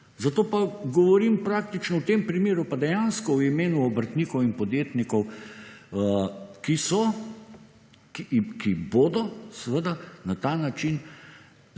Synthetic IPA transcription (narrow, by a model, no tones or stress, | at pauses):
zat̪oːpaɡɔʋɔɾimpɾaːk̚t̪it͡ʃnɔwt̪eːmpɾimeːɾupad̪ɛjanskɔwimeːnuɔbəɾt̪niːkɔwinpɔd̪jeːt̪nikɔw | kisɔ | kikʰiboːd̪ɔsʋəd̪anat̪aːnat͡ʃin